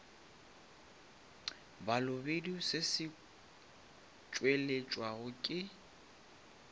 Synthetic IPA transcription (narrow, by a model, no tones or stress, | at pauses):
balʊbedisɪsɪ | t͡ʃʼwelet͡ʃʼwaɣʊkʼɪ